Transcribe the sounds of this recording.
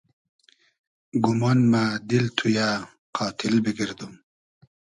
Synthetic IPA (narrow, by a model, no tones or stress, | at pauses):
ɡumanmad̪ilt̪ʰuja | qʰɑːt̪ʰilbiɡiɾd̪um